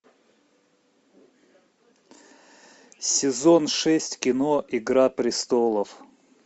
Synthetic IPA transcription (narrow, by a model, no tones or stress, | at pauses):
sʲɪzonʂɛsʲtʲkʲɪnoʔɪɡɾapɾʲɪst̪olˠəf